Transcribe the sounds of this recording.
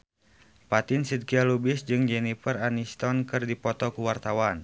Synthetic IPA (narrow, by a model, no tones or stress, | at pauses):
pat̪ɪnsid̪̚kialubɪsd͡ʒɨŋd͡ʒɛnifəranist̪ɔnkɨrdipɔt̪ɔkuwart̪awan